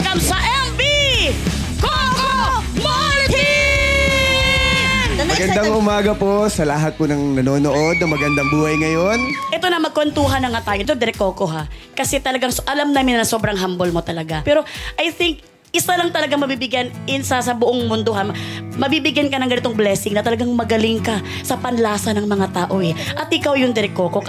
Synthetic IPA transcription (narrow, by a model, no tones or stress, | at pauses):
kɐmsɐʔɛmpi | koko | moi | ɐɡɐnd̪aŋʔʊmaːɡɐposɐlɐɦat̪̚ponɐŋnɐnoːnoʔod̪̚nɐŋmɐɡɐnd̪ɐŋbuːhɐjŋɐjonʔɛt̪onɐmɐɡ̚kont̪uːɦɐnɐŋat̪aːjod̪od̪ɛɾɛkoːkoɦakɐsɛt̪ɐlɐɡaŋsʔɐlamnaːmɪnːɐŋso̞ːbɾɐŋɦambolmo̞t̪ɐlɐɡapɛːɾo̞ʔɐjθɪŋk̚ | ʔɪsalɐŋt̪ɐlɐɡaŋmɐbibɪɡjanʔɪnsasɐbʊʔoŋmʊnd̪o̞ɦamɐbiːbɪɡjankɐnɐŋɡɐnɪt̪oŋblɛsɪŋnɐt̪ɐlɐɡaŋmɐɡɐlɪŋkɐ | sɐpɐnlaːsɐnɐŋmɐŋat̪aːʔo̞ɛʔɐt̪̚ʔɪkawjʊŋd̪ɛɾɪkoːko̞k